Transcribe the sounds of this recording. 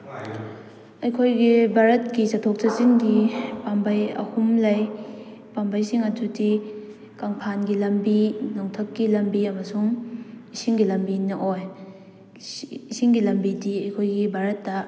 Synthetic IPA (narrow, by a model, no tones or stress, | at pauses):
ɐjkʰojɡibʱaɾɐt̚kisɐtʰok̚sɐziŋɡipambɐjɐ̰humlɐj | pambajsiŋɐtuti | kaŋpʰanɡilɐmbinaŋtʰɐkːilɐmbiɐmɐsuŋisiŋɡilɐmbinɐʔoj | isiŋɡilɐmbidiɐjkʰojɡibʱaɾɐtːɐ